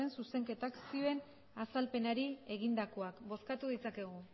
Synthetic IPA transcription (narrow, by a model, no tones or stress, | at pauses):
ensuse̞ŋke̞t̪aksioe̞n | asalpe̞naɾie̞ɣind̪ako̞akbo̞skat̪uðit͡sake̞ɣu